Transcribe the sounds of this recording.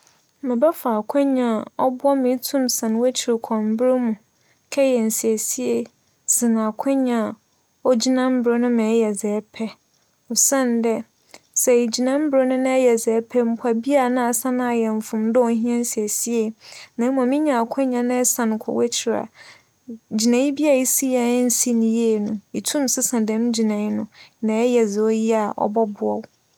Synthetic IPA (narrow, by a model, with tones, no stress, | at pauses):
mɪ̃˨ba˦faː˨kʷʰɛ̃˦ɲã˨ɔ˦bʊ˦ɔ˦mĩ˨˦tʰũ˦msã˨n˨˦wɛ˦t͡ɕʰi˨ɾkʷʰɔ̃˨m̩˨˦bɾe˦mũ˨ | kʰɛ˦jɛ˨n̩˨si˨æ˨si˦e˨ | sɪ̃˨nã˨kʷʰɛ̃˦ɲã˨ | ɔ˦d͡ʑi˦nã˦m̩˦bɾo˦nʊ̃˦mɪ̃˨˦jɛ˨zɛː˨˦pʰɛ˦ | ɔ˨sã˦˨n˨dɛ˦ | sɛ˨d͡ʑi˨nã˦m̩˦bɾo˦nʊ̃˦nã˦ɛ˦jɛ˨zɛ˨˦pʰɛ˦m̩˦pʰa˨bi˦a˦˨nã˦a˨sã˦nã˦a˨jɛ˨ɱ˨fʊ̃˨m˦dʊ˦ɔ˨˦ɦĩ˦ã˦n˦si˨æ˨si˦e˨nã˨˦m˦ã˨mɪ̃˦ɲã˨a˨kʷʰɛ̃˦ɲã˨nã˦ɛ˦sã˨nʊ̃˨kʷʰɔ̰˨wɛ˦t͡ɕʰɪ˨ɾa̰˨ | d͡ʑi˨nã˨jĩ˦bi˦a˨i˦si˦ja˨˦n̩˦si˦nĩ˨je˦˨nũ˨i˨tʰũ˦m˨sɪ˦sã˨dɛ̃˨m˦d͡ʑi˨nã˨i˦nʊ̃˦nã˨ɛ˦jɛ˨zɪ˨ɔ˦ji˦a˨ʔɔ̰˦bɔ˦bʊ˨ɔ̰˦w